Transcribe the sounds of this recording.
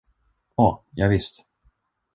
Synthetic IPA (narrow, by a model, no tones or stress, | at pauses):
ɔjɑːɡvɪst̪